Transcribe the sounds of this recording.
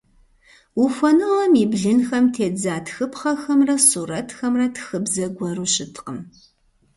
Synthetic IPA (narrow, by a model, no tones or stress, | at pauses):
wufʷɔnɨʁɐmibɮɨnxɐmtʰeːd͡zaːtxɨpχɐxɐmrɐsuːɾɐtxɐmrɐtʰxɨbzɐɡʷɐɾuɕɪtʰqəm